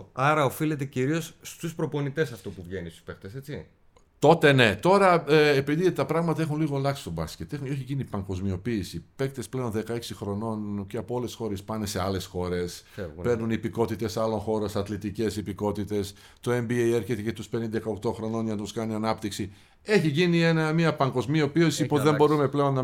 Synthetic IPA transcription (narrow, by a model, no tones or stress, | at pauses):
ɐɾɐo̞file̞t̪eciɾio̞sst̪uspɾo̞po̞nit̪e̞sɐft̪upuvʝenist̪u̥spek̚t̪eset͡si | t̪o̞t̪e̞ne̞t̪o̞ɾɐepiðit̪ɐpɾɐɣmɐt̪ɐexunliɣo̞lɐksi̥st̪o̞bɐsce̞t̪exoçicinipɐŋɡo̞zmio̞piːsipe̞kt̪esple̞o̞nðe̞kɐe̞ksixɾo̞no̞nceɐpoole̞sxo̞ɾespɐnese̞ɐle̞sxo̞ɾe̞spe̞ɾnunipiko̞t̪it̪e̞sɐlo̞ŋxo̞ɾosɐt̪lit̪ice̞sipiko̞t̪it̪e̞s | t̪o̞embiejeɾçe̞t̪ecet̪uspenind̪ɐkɐo̞kt̪o̞xɾo̞no̞nʝɐnt̪uskɐniɐnɐpt̪iksi | e̞çiʝinienɐmiɐpɐŋɡo̞zmio̞piosipozðe̞mbo̞ɾumeple̞o̞nːɐ